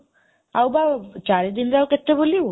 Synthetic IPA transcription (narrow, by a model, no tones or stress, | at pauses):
awbat͡ɕaɾed̪inɾawket̪ːeboli